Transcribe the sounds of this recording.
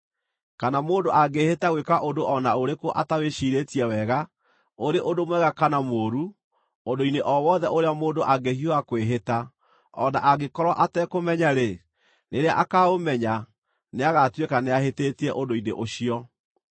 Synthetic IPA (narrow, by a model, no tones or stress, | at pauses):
kanamoːndoʔaɡehetaɣwekaʔondoʔɔnaoɾekoʔataweʃiːɾetiɛwɛɣa | oɾeʔodomwɛɣakanamoːɾu | ondoineʔɔwɔðɛʔoɾeamoːndoʔaɡehioakweɦeta | ɔnaʔaɣekɔɾwaʔatɛkomɛɲaɾe | neɾea̰ʔakaomɛɲa | neaɣatwekaneaɦeteːtiɛʔodoinḛʔoɕiɔ